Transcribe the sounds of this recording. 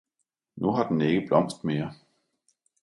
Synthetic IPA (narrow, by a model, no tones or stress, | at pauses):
nuɦɑ̈d̥en̩eɡ̥əb̥lɒ̽m̰sd̥meːɐ